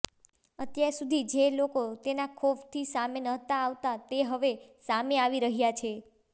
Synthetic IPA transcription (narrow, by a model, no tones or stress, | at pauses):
ət̪jaɾsud̪ʱid͡ʒelokot̪enakʰoft̪ʰisamenəɦt̪aːʋt̪at̪eɦəʋesameaʋiɾəɦjat͡ʃʰe